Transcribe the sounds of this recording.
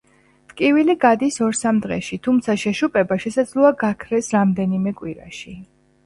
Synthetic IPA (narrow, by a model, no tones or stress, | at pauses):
t̪ʼkʼiviliɡad̪isɔɾsamd̪ʁɛʃit̪ʰumt̪sʰaʃɛʃupʼɛbaʃɛsad̪zlˠɔaɡakʰɾɛsɾamd̪ɛnimɛkʼwiɾa̰ʃi